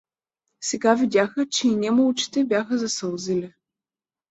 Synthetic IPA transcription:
sɛɡavid̪ʲaxət͡ʃɛinʲɛmolut͡ʃi̥t̪ɛbʲjaxəzɐsɤlˠzilʲɛ

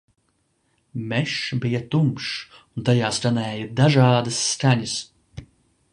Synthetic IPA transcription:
mɛʃbijat̪umʃ | unt̪ajaːsɾanɛːjɐd̪aʒaːd̪ɐsːkaɲɐs

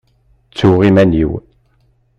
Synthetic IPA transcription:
t͡sːuʁimæniw

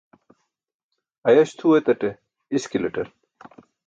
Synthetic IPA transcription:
ɐjɐɕt̪ʰuwet̪ɐʈe | iskilɐʈɐɾ

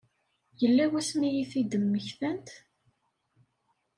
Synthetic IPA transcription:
jəlːæwæsmijiθid̪əmːəçθænt̪

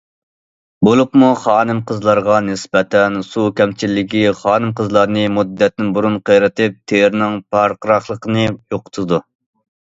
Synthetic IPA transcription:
bolˠupmuχɑːnɨmqʰəzlˠɑɾʁɑnɪsbɛt̪ʰɛnsukʲʰɛmt͡ʃʰilːɪɡʲiχɑːnɨmqəzlˠɑɾnɨmud̪ːɛt̪nɪnbuɾunqʰəjɾɨt̪ʰɨp̚t̪ʰeɾnɪŋpʰɑɾqəɾɑχlˠəqʰənɨjoqʰʊ̥t̪ʰɨd̪u

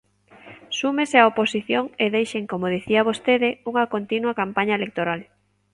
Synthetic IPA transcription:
sumeseaoposiθjoŋeðejʃeŋkomoð̞iθiɐβ̞ost̪eðɪuŋɐkont̪inwɐkampaɲɐelek̚t̪oɾal

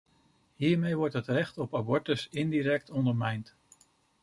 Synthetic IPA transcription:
ɦiːɹmejʋɔɹtɦətrɛχtɔpabɔɹtəsɪndiɾɛk̚tɔndəɹmɛjnt

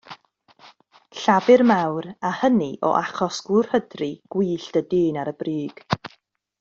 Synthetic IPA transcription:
ɬavɨrmawrahəniʔɔ̰ʔaχɔsɡ̥ur̥hədriɡ̥wiːɬtədɪːnaɾəbriːɡ̥

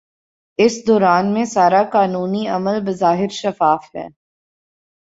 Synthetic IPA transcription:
ɪsd̪ɔːɾaːnmẽsaːɾakaːnuːniɐməlbɐzaːɦɪɾʃɐfaːfɦɛ̰ː

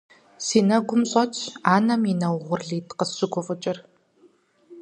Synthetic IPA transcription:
siːnɐɡʷʊmɕʼɐt͡ʃʰaːnɐminɐwʁʷʊrɮiːtqəɕɪɡʷʊfʼʊt͡ʃʼɪr

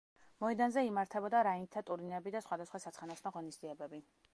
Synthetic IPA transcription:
mɔɛd̪anzɛimaɾt̪ʰɛbɔd̪aɾaint̪ʰat̪ʼuɾinɛbid̪asχwad̪asχwasat̪sʰχanasnaʁɔnisd̪ziɛbɛbi

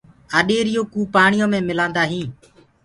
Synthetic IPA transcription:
aːɗeːɾɪjõːkuːpaːɳɪjõːmẽːmɪlãːnd̪aːɦĩː

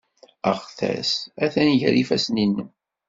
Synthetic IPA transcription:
əʁθæ̰sæθænʝ̰ɾifæsninːə

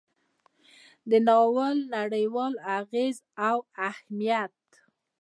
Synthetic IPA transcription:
d̪ənɑwəlnaɽəjwɑlaɣezawahmijat̪̚

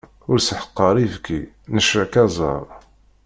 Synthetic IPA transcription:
ʊɾsħə̥qːəɾˤivki | nəʃɾækɑzˤɑ̰ɾˤ

